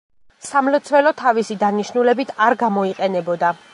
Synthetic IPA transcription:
samlɔt̪sʰwɛlɔt̪ʰavisid̪aniʃnulɛbit̪ʰaɾɡamɔiqʼɛnɛbɔd̪a

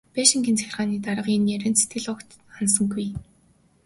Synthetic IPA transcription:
peʃĭŋɡʲiːnt͡sʰæxʲɪ̆rʁaːniːt̪aɾə̆qinjæɾæːnt͡set̪̚ɡɘ̆ɮɔkt̪ | ansə̆ŋɡuj

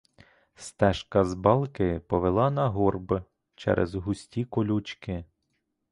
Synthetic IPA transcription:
st̪ɛʃkɐzbɑlˠkɪpɔʋelˠɑnɐɦurb | t͡ʃɛ̰ɾʔɛ̰zɦʊsʲtʲikɔlʲut͡ʃkɪ

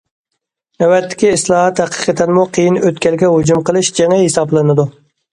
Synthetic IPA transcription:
ɛwɛt̪ʰːɪ̥kʲiːslˠɑːɦɑt̪hæqʰə̥qʰət̪ʰɛnmuqʰəjinøt̪kʲɛlɡʲɛɦud͡ʒumqəlˠɨʃd͡ʒɛŋɛɦesɑblˠɨnɨd̪u

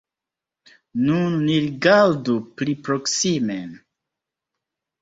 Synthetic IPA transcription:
nunːiɾiɡaɾduplipɾoksimen

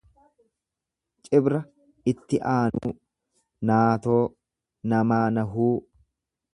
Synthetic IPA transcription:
t͡ʃʼɪbɾɐ | ɪt̪ːɪʔaːnṵː | naːt̪o̞ː | nɐmaːnɐɦuː

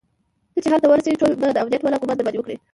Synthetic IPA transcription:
k̪ət͡ʃeɦalt̪awəɾaseɡiʈolb̪əad̪əawd̪ijat̪walɑkubat̪d̪əbad̪ewəkɽi

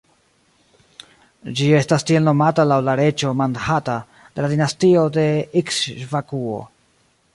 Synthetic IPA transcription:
d͡ʒie̞stastie̞lno̞matalawlaɾe̞t͡ʃo̞mandhata | d̥e̞ladinastio̞de̞iksvakuo̞̰

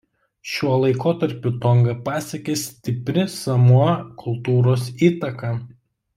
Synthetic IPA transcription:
ʃʲuɔlˠɐɪkoːt̪ɐɾʲpʲʊt̪ɔŋɡɐpɑːsʲɛkʲeːsʲt̪ʲɪpʲɾʲɪsɐmuɔkʰʊlˠt̪uːɾoːsiːt̪ɐkɐ

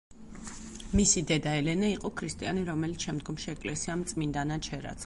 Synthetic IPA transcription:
misid̪ɛd̪aɛlɛnaiqʼɔkʰɾist̪ʼianiɾɔmɛlit̪ʰʃɛmd̪ɡɔmʃiɛkʼlɛsiamt̪sʼmind̪anat͡ʃʰɛɾa̰t̪sʰ

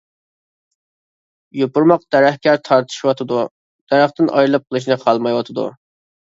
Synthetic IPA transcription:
jopuɾmɑq̚d̪̥ɛɾæhkʲæɾt̪ʰɑɾt̪ʰɨ̥ʃiwɑt̪ʰɨd̪u | d̪̥æɾæχt̪ɪnʔɑjɾlˠɨp̚qʰəlˠɨʃ̬nɨqʰɑlˠmɑjwɑt̪ʰɨd̪ṵ

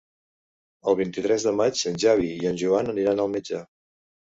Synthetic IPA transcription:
əlˠβ̞int̪it̪ɾɛzðəmat͡ʃənʲʒaβ̞iiənʲʒuanəniɾanəlˠmid͡ʒa

